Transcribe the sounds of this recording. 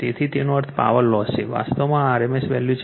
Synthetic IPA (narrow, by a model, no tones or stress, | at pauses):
t̪et̪ʰit̪enoəɾt̪ʰpa̰ʋəlːɔseʋa̰st̪omãaɾemesʋɛljut͡ʃ